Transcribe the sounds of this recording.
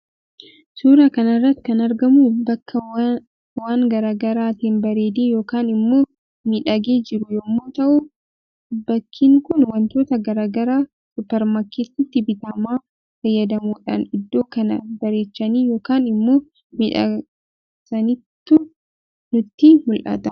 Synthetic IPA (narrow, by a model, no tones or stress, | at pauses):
suːɾɐkɐnɐrːɐt̪ːɪ̥kɐnɐɾɡɐmuːbɐkːɐ | waːŋɡɐɾaːɡɐɾaːt̪iːnbɐɾe̞ːd̪eːjo̞ːkaːnɪmːoː | miᶑɐɡeːd͡ʒɪɾʊjoːmːoːt̪ɐʔʊ | bɐkʰːiːŋkʊnwɐnt̪o̞ːt̪ɐɡɐɾaːɡɐɾaː | sʊpːɛɾmaːkeːt̪ːɪt̪ːɪbɪt̪ɐmaː | fɐjːɐd̪ɐmuːᶑa̰ːnɪd̪ːo̞ːkɐnɐbɐɾe̞ːt͡ʃːɐniːjo̞ːkaːnɪmːoː | miᶑɐ̰ | sɐnɪt̪ːʊ | nʊt̪ːimʊlʔɐ̰t̪ɐ